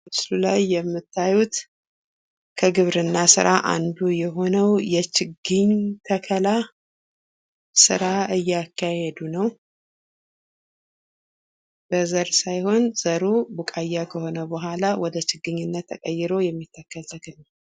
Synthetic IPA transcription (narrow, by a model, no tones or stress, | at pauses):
ɨslulajːɛmːɨt̪ʰːajut̪ | kʰəɡɨβɾɨnːasɨ̰ɾaʔa̰nd̪ujɛɦo̞nəwjɛt͡ʃɨɡɨɲt̪ʰəkʰəla | sɨ̰ɾaɨjːakːahɛd̪unəw | b̥əzəɾsajho̞nz̥əɾubukʼajːakʰəho̞nəbəɦʷalawɔd̪ət͡ʃɪɡːɨɲːunːət̪ʰːəkʼəjːɪɾo̞jɛmːit̪ʰːəkʰːəlt̪əkɨla